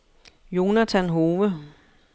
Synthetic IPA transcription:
jo̝næt͡sʰænɦo̝ːʋə

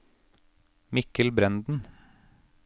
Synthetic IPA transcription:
mɪkəlbɾɛnd̪n̩

